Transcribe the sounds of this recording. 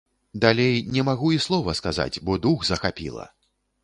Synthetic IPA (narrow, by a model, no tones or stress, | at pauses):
d̪alʲejnʲɛmaɣuislˠɔvɐskaza̰d͡zʲbɔd̪uɣzɐxapʲḭlˠɐ̰